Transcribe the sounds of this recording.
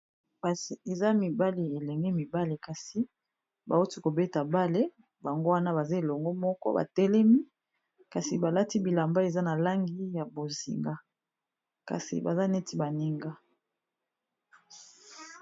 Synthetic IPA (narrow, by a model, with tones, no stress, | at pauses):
a˨si˨e˨za˦mi˨ba˦li˨e˨lɛ˨ŋɡɛ˦mi˨ba˦le˨ka˨si˦ | ba˨o˦ti˦ko˨be˦ta˨ba˦le˦ | ba˨ŋɡo˦wa˦na˦ba˨za˦e˨lɔ˨ŋɡo˦mɔ˦kɔ̰˦ba̰˨tɛ˦lɛ˦mi˦ | ka˨si˨ba˨la˦ti˦bi˨la˨mba˦e˨za˦na˨la˦ŋɡi˦ja˨bo˨zḭ˨ŋɡa˦ | ka̰˨sḭ˨ba̰˨za˦ne˦ti˦ba˨ni˦ŋɡa˦